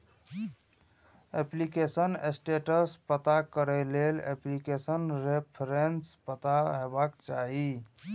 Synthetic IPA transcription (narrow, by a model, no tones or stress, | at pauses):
eplikesənesʈeʈəspət̪akəɾɛleleplikesənɾepʰɾenspət̪aɦebakt͡ʃa̰ɦi